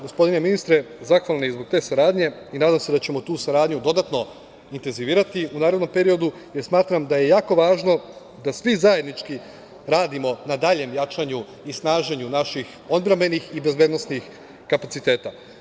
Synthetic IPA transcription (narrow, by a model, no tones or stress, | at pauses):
ɡospo̞d̪ine̞minist̪ɾe̞zaxʋalˠnojezbo̞ɡ̚t̪e̞ːsaɾaːd̪ɲe̞inaːd̪amseat͡ɕe̞mo̞t̪uːsaɾaːd̪ɲud̪o̞d̪at̪no̞ | int̪e̞nziʋiːɾat̪iunaːɾe̞d̪no̞mpe̞ɾio̞d̪u | jeɾsmaːt̪ɾamd̪aje̞jaːko̞ʋaːʒno̞ | d̪asʋizaje̞d̪nit͡ʃki | ɾaːd̪imo̞nad̪aːʎe̞mjat͡ʃaɲu | isnaːʒeɲunaʃix | o̞d̪bɾeme̞nixibe̞zbed̪nosnix | kapat̪sit̪e̞ːt̪a